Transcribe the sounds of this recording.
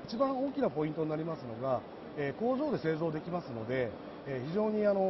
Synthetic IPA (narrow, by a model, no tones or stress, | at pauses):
it͡ɕibãɰ̃o̞ːkʲinapo̞ĩnt̪o̞ɲinaɾʲimasɨno̞ɡa | eːko̞ːzo̞ːd̪e̞se̞ːzo̞ːd̪e̞kʲimasɨno̞d̪e̞ | çiʑo̞ːɲ̟iano̞